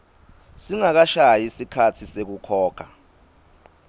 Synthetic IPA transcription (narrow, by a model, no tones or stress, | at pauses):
siŋak̬aʃajisikʰatʰisek̬ukʰɔːkʰa